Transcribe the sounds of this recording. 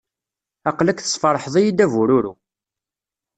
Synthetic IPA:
ɑqlækθə̥sˤfɑɾˤħðˤijid̪ævuɾuɾṵ

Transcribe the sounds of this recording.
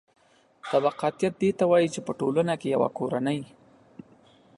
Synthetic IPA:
t̪abaqɑt̪jat̪̚d̪et̪awajit͡ʃepəʈolənakejawa̰koɾanəj

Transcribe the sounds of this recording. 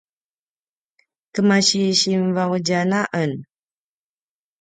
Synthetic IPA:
kəmaɕiɕimvawd͡ʒanaʔən

